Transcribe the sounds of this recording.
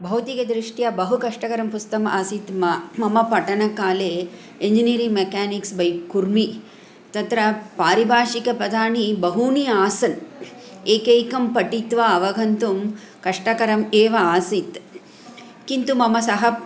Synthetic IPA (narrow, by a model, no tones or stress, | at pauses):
bʱɐwt̪ikɐd̪ɾiʂʈjɐbɐɦukɐʂʈɐkɐɾɐmpust̪ɐmaːsit̪mmɐmɐpɐʈɐnɐkaːleː | eɲd͡ʒiniːɾiŋmekaːniksbɐjkuɾmi | t̪ɐt̪ɾɐpaːɾibʱaːʂikɐpɾɐd̪ʱaːɳibɐɦuːniaːsɐn | eːkejkɐmpɐʈit̪ʋaɐʋɐɡʱɐnt̪um | kɐʂʈɐkɐɾɐmeːʋɐaːsit̪ | kint̪umɐmɐsɐɦɐ